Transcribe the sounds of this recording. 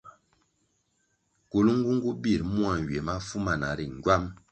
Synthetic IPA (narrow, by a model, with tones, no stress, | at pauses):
ku˨lu˦ŋ̩˦ɡu˦ŋ̩˦ɡu˦bi˦˨ɾmu˦a˨n˨ɥe˨ma˦fu˦ma˨na̰˨ɾi˨ŋ˨ɡwa˦m